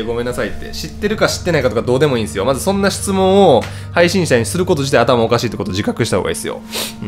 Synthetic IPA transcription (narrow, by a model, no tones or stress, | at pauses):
eɡo̞mẽ̞nːasait̪ːe̞̰ɕit̪ːe̞ɾɯ̟kaɕi̥t̪ːeaikat̪okad̪o̞ːd̪e̞mo̞ĩːsɨjo̞mazɨsõ̞nːaɕi̥t͡sɨmõ̞ɰ̃o | haiɕĩɕit̪aɲ̟isɨɾɯ̟ko̞t̪o̞t͡ɕit̪aiat̪amaokaɕiːt̪ekot̪od͡ʑikakɯɕit̪ahoːɡa̰ḭsɨjo̰